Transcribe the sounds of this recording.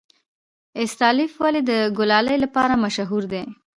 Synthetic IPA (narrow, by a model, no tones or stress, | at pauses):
ɪst̪ɑlifwaled̪əɡʊlɑləjlapɑɾamaʃaɦuɾd̪e